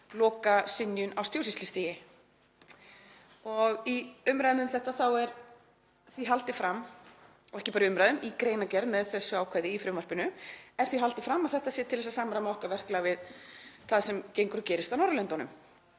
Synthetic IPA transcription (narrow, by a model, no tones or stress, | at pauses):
lɔːkasɪnjʏnʔawst̪ʰjows̬islɪst̪iːjɪ | ɔɣiʏmɾajðʏmʏmθɛht̪aθawɛɾ | θviɦalt̪ɪfɾamː | ɔɣɛhcɪpaːɾiʏmɾajðʏmʔikɾeːjnacɛɾðmɛðθɛsːʏaːwkʰaːjðɪifɾʏmvar̥pɪnʏɛɾ̥θiɦalt̪ɪfɾamːaðθɛht̪asjɛt̪ʰɪlvɛsasaːmɾamɔhkavɛr̥klaɣvɪðθaðsɛmcejŋkʏɾcɛːɾɪst̪awnɔɾlœnt̪ɔnʏm